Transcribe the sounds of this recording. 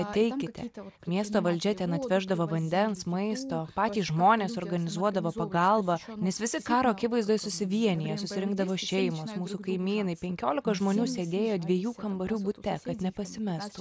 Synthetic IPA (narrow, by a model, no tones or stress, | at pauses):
ɐt̪ʲɛɪkʲɪt̪ʲɛ̰mʲiɛst̪oːʋɐlʲd͡ʒʲɛt̪ʲɛnɐt̪ʲʋʲɛʒd̪ɐʋoːʋɐnʲd̪ʲɛnsmɐɪst̪oːpɑːt̪ʲiːsʒmoːnʲeːsoːɾɡɐnʲɪzuɔd̪ɐʋoːpɐɡɐlˠbɐnʲɛsʋʲɪsʲɪkɑːɾoːɐkʲɪʋɐɪzd̪oːjɛsʊsʲɪʋʲiɛnʲɪjɛsʊsʲɪɾʲɪŋɡd̪ɐʋoːʃʲɛɪmʊsmuːsukɐɪmʲiːnɐɪpʲɛŋʲkʲoːlʲɪkɐʒmoːnʲuːsʲeːd̪ʲeːjoːd̪ʲʋʲiɛjuːkɐmbɐɾʲuːbʊt̪ʲɛkɐt̪nʲɛpɐsʲɪmʲɛst̪u